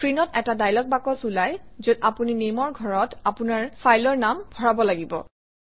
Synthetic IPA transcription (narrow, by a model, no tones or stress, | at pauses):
pʰɹinɔtɛtadajlɔk̚bakɔsulajzodapuninemɔɹɡʱɔɹɔtapunaɹfʰajlɔɹnambʱɔɹabɔlaɡibɔ̰